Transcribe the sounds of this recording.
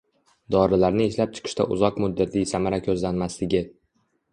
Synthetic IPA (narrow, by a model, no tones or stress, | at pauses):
d̪ɒɾɪlaɾnɪeʃlap̚t͡ʃʰɪ̥qʰɨ̥ʃt̪a̰ʔʊ̰zɒqmʊd̪ːat̪ʰlijsamaɾakʲʰɵzlanmaslɪɡʲɪ